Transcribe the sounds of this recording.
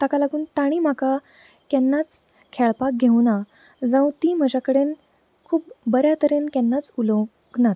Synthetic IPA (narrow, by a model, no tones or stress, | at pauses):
t̪akalaɡuːnt̪aɽ̃im̤aka | kjɛnːat͡s | kʰeɭpak̚ɡʱewna | d͡zə̃wt̪iːm̤əd͡ʑakəɽen | kʰuːpbəɾjat̪əɾenkɛnːat͡sulo | ɡnat̪